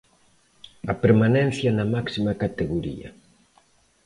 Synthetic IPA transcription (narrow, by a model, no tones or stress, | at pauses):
ɐpeɾmanɛ̃n̟θjɐnɐmaksimakat̪eɣoɾḭɐ̰